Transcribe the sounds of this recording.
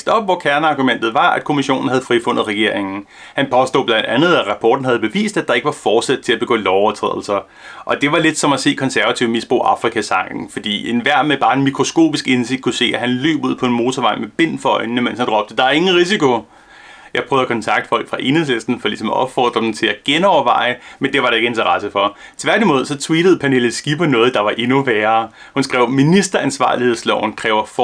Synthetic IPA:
sd̥ɒ̽b̥ʋɒkʰæɐnəɑ̈ɡ̥umen̰d̥ð̩ˠʋɑ̈ʔæd̥kʰo̝miɕo̝̰ːn̩hæð̞̩ˠfʁifɔ̽n̰ð̩ˠʁɛɡ̥e̝̰ɐeŋn̩ | hænpʰɒ̽sd̥o̝̰ːblænd̥ænð̞̩ˠæʁɑ̈pʰɒːd̥n̩hæðˠb̥e̝ʋḭːsd̥æd̥ɑ̈e̝ɡ̥əʋɑ̈fɒːd̥sæd̥̚t͡sʰe̝læb̥e̝ɡ̥ɔ̰ːlɒʊɐt͡sʰʁɛ̰ð̰ˠl̩sɐ | ʔɒ̽d̥e̝ʋɑ̈le̝d̥sɒ̽mæse̝̰ːkʰɒ̽nsæɐʋæt͡sʰiʊmisb̥ʁo̝̰ːʔɑ̈fʁikʰæsɑ̈ŋ̰ɡ̥n̩fɒ̽d̥ḭːenʋæɐ̰meb̥ɑ̈ːe̝nmikʰʁo̝sko̝̰ːb̥isɡ̥e̝nse̝ɡ̥d̥̚kʰuse̝̰ːæɦænlø̰ːb̥uð̰ˠpʰɒ̽e̝nmo̝ːt͡sʰɐʋɑ̈ɪ̰nmeb̥e̝n̰fɪ̰nnəmen̰shænd̥ʁɒ̽b̥d̥əd̥ɑ̈æe̝ŋn̩ʁis̬ikʰo̝ | jɑ̈ɪpʰʁœːðˠɐkʰɒ̽nt͡sʰɑ̈ɡ̥̚d̥əfɒ̽l̰ɡ̥fʁɑ̈ʔenheð̰ˠslesd̥n̩fɒlisɒ̽mʔɒ̽b̥fɒ̰ːd̥ʁɐd̥m̩t͡sʰe̝læɡ̥enɒʊɐʋɑ̈ɪ̰əmend̥e̝ʋɑ̈ɾɑe̝ɡ̥əe̝nt͡sʰɐʁɑsəfɒ̽t͡sʰʋæɐd̥imoːð̞ˠsɒ̽t͡sʰwiːd̥əð̩ˠpʰænelð̩sɡ̥ipɒnɔ̽ːð̞̩ˠd̥ɑ̈ʋɑ̈ʔe̝nuʋæːɐː | hunsɡ̥ʁɛʊminisd̥ɐænsʋɑ̰̈ːlihe̝ð̞̰ˠslɒʊn̩kʰʁɛːʊɐf

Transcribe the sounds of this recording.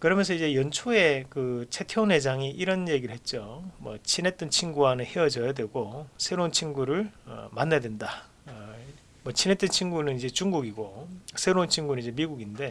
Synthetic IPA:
kɯɾʌmjʌns̬ʰʌid͡ʑe̞jʌnt͡ɕʰoe̞kɯt͡ɕʰe̞tʰjone̞d͡ʑaŋiʔiɾʌnje̞ɡiɾɯɭhɦe̞t̚t͡ɕ͈omwʌ̰t͡ɕʰinɦe̞t̚t͈ʌnt͡ɕʰinɡuanɯnhe̞ʌd͡ʑʌjadwe̞ɡosʰe̞ɾont͡ɕʰinɡuɾɯɭʌ̰manːadwenda | mʌt͡ɕʰinɦet͈ʌnt͡ɕʰinɡunɯnid͡ʑe̞t͡ɕuŋɡuɡiɡosʰe̞ɾount͡ɕʰinɡunɯnid͡ʑe̞miɡuɡinde̞

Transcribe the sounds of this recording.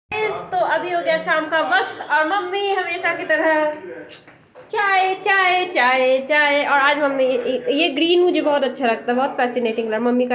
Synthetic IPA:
et̪oʔɐbʱioːɡɐjaʃaːmkaʋɐk̚t̪ɔːɾmɐmːiɦɐmeːʃakit̪ɐɾə | t͡ʃaːet͡ʃaːet͡ʃaːet͡ʃaːeʔɔːɾaːd͡ʒmɐmːijeɡɾiːnmʊd͡ʒʱebɔɦʊt̪ɐtːʃʰalɐɡ̚t̪aɦɛbɔɦːʊt̪fɛːsɪneːʈɪ̃ŋɡlɐɾmɐmːika

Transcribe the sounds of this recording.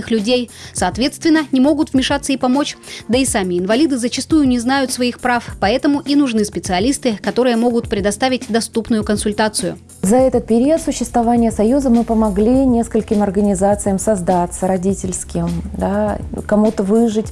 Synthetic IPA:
ɨxlʲʉdʲejsɐːt̪vʲet̪st̪vʲɪnːənʲɪmo̞ɡʊt̪vmʲɪʂat̪səipɐmo̞t͡ɕd̪əɪsamʲɪːnvɐlʲid̪ɨzət͡ɕɪst̪ujʊnʲɪznajʊt̪svɐixpɾafpɐɛt̪əmʊʔinʊʐnɨspʲɪt̪sɨɐlʲist̪ɨkɐt̪o̞ɾɨjəmo̞ɡʊt̪pɾʲɪd̪ɐst̪avʲɪt̚ʲd̪ɐst̪upnʊjʊkənsʊlʲt̪at̪sɨjʊ̰ | zɐɛt̪ət̪̚pʲɪɾʲiət̪sʊɕːɪst̪vɐvanʲɪjəsɐjuzəmɨpəmɐɡlʲinʲeskəlʲkʲɪmɐrɡənʲɪzat̪sɨjəmsɐzd̪at̪səɾɐdʲitʲɪlʲskʲɪmd̪akɐmut̪əvɨʐɨtʲ

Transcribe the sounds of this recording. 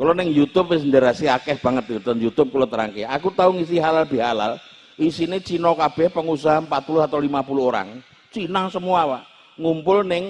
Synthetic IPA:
kalɔnɪŋjut̪ʊp̚ʋɪsndaɾasiakɛhb̥aŋət̪̚jut̪ənjut̪ʊp̚kulɔt̪əɾa̰ŋkeakut̪auŋisiɦalalb̥i̤ɦala̰l | ʔisinet͡ʃinɔkab̥ɛhpəŋusaɦampat̪̚pulʊɦat̪awlimapuluɦoɾa̰ŋ | t͡ʃinaŋsəmuawaʔ | ŋumpʊlnɪŋ

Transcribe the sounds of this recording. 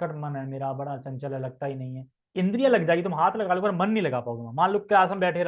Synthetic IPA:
əʈmɐnɦɛmeːɾabɐɽat͡ʃɐ̃nt͡ʃəlɦɛlɐɡ̚t̪aɦinɐɦĩɦɛː | ɪ̃nd̪ɾijãlɐɡd͡ʒaːɪɡit̪ʊmɦaːt̪ʰlɐɡaːlokɔɾmɐnːɐɦĩlɐɡaːpaːoɡemãːmãːlʊkːeaːsə̃mbɛːʈʰeɾ

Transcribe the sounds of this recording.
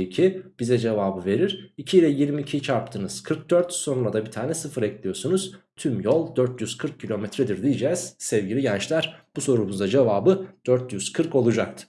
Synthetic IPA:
icʰib̥izɛd͡ʒe̞vaːbɯve̞ɾiɾ̥icʰiilʲɛjiɾmiːcʰit͡ʃʰaɾp̚t̪ʰɯːnɯz̥kʰɯɾk̚d̪̥øɾt̪so̞nunˠad̪abit̪ʰaːnɛsɯfɯɾɛclʲijo̞ɾsunuz̥t̪ʰymjolˠd̪øɾt̪jyz̥kʰɯɾk̚cʰːilʲo̞mɛt̪ɾɛd̪iɾd̪ijid͡ʒɛːz̥sɛvɟilʲiɟænt͡ʃlʲæɾb̥uso̞ɾumuzd̪ad͡ʒe̞vaːbɯd̪̥øɾt̪jyz̥kʰɯɾko̞lˠud͡ʒak̚t̪ʰɯ̥

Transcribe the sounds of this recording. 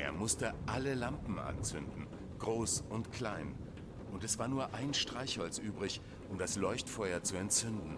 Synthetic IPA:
ʔeːɐmʊstəʔaləlampm̩ʔa̰nt͡sʏndn̩ | ɡ̥ʁoːsʔʊntkʰl̥aɪn | ʔʊntɛsv̥aːɐnuːɐʔaɪnʃtʁ̥aɪçhɔlt͡sʔyːbʁɪç | ʔʊmdaslɔʏçtfɔʏɐt͡suɛntt͡sʏndn̩

